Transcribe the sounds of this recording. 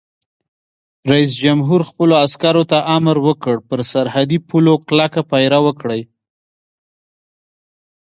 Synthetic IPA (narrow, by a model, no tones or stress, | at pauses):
ɾais̬d͡ʒamɦuɾxpəloaskaɾot̪aʔamɾwəkəɽpəɾsaɾhad̪ipuloklakapajɾawəkɽəj